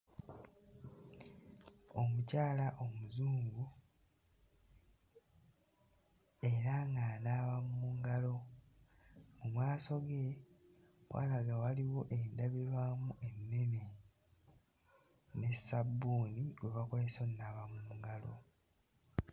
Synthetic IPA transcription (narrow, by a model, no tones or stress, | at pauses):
o̞mucaːlaʔo̞muzuːŋɡu | e̞ɾaŋɡanaːβamuːŋɡalo̞ | mumwaːso̞ɡe | wa̰laɡawaliwo̞ʔendaβiɾwaːmuʔe̞nːene | ne̞sabːuːnioβakoleso̞nːaːβamuːuŋɡalo̞̰